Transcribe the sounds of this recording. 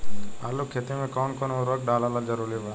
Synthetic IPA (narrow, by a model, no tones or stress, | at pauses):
a̰ːlokʰːeːt̪imẽkoːnkoːnʊɾək̚ɖaːlaːlad͡ʒəɾuɾibo